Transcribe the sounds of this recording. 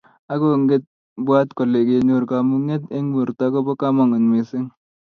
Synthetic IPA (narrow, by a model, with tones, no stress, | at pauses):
a˦ko˦˨ŋɡe˦t̚ | bwa˦tko˨le˨ɡe˨nu˨ɾka˨mu˦ŋe˦te˦ŋwu˨ɾta˨˦ko˦bɔ˦ka˦mɔ˨ŋu˨nme˨sɪ˦ŋ